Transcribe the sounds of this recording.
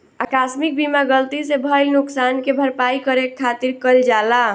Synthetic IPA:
akasmik̚bimaɡəlt̪isebʱəjlnuksankebʱəɾpaikəɾekʰːat̪iɾkəld͡ʒala

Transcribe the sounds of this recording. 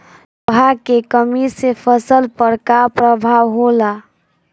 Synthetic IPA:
ɦakekəmisepʰəsəlpəɾkapɾəbʱawɦola

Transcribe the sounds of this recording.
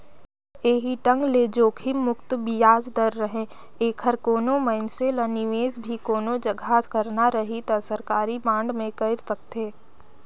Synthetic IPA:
eːɦiʈə̃ŋɡled͡ʒoːkʰimʊkt̪bijaːd͡ʒd̪əɾːəɦẽ | eːkʰəɾkoːnoməɪnseləniʋeːzbʱikoːnod͡ʒɐɡʱaːskəɾnaɾəɦit̪ɐsəɾkaːɾibãːɳɖmẽkɐɪɾsɐk̚t̪eː

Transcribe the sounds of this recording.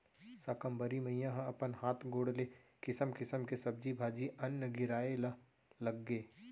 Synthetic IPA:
sakəmbɐɾimɐɦijãɦãɐpənhaːt̪ʰɡoːɽle | kɪsəmkɪsəmkesɐb̚d͡ʒibʱaːd͡ʒiʔɐnːəɡɪɾaːel | lɐɡːeː

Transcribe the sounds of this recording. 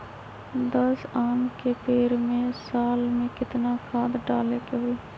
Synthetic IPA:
d̪əsaːnkepeːɾmẽsaːlmẽkɪt̪nakʰaːd̪ɖaːlekeɦoi

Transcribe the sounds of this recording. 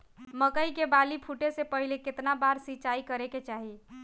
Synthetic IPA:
məkəikebalipʰuʈesepəɦileket̪nabaɾsit͡ʃaikəɾeket͡ʃaɦi

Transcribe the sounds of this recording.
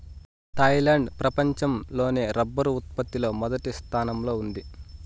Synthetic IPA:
t̪ɐjlaːɳɖpɾɐpɐɲt͡ʃɐmlo̞ːneːɾɐbːɐɾuut̪̚pɐt̪ːilo̞ːmɔd̪ɐʈist̪ʰaːnɐmlo̞ːund̪i

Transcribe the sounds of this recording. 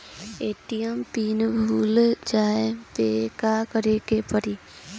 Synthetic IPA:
eːʈijəmpiːnbʱuːld͡ʒaːepekakəɾekepəɾiː

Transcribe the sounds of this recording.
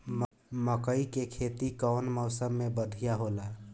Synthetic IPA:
m | məkəikekʰet̪ikɔwnmɔʊsəmːebəd̪ʱijaɦola

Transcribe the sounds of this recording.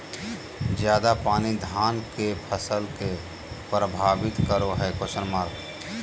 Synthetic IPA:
d͡ʒjaːd̪apaːnid̪ʱaːnkepʰəsəlke | pɾəbʱaːbɪt̪kəɾoɦɛkosənmaːɾɡ

